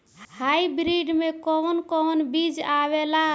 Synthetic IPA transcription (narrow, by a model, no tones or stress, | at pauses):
hajbɾiɖmekɔnkɔnbid͡ʒawela